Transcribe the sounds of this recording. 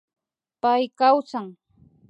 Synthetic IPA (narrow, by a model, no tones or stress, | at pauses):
pajkawt͡saŋ